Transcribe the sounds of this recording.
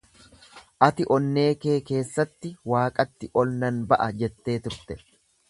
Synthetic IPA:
ʔɐt̪ɪʔɔnːe̞ːke̞ːke̞ːsːɐt̪ːɪwaːkʼɐt̪ːɪʔɔlnɐnbɐʔɐd͡ʒɛt̪ːe̞ːt̪ʊɾt̪ɛ̥

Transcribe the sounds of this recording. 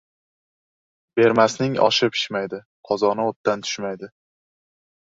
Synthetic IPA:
be̞ɾmasnɪŋɒ̰ʃɪpʰɪ̥ʃmajd̪ɪ | qʰɒzɒnɪot̪d̪ant̪ʰʊ̥ʃmajd̪ɪ

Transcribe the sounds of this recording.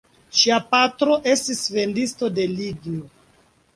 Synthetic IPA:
ʃiapatɾo̞ʔe̞stisve̞ndisto̞de̞liɡio

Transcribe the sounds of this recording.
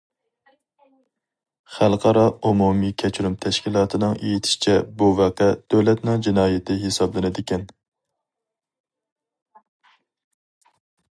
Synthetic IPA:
χælˠqʰɑɾɑumumikʲʰɛt͡ʃʰɾumt̪ʰɛʃkʲilˠɑːt̪ʰɨnɨŋʔḛjit̪ʰɪ̥ʃt͡ʃʰɛbuvæqɛd̪̥øwlɛt̪nɨŋd͡ʒinɑːjɪt̪ʰɪɦesɑblˠɪnɪd̪ɪkʲɛn

